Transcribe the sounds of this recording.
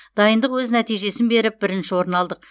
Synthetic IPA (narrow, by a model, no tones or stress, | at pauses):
d̪̥ɑjənd̪əqwɵznæt̪ijʒe̞sɪnbe̞ɾɪp̚bɪɾɪnʃɪwo̞ɾənɑlˠd̪əq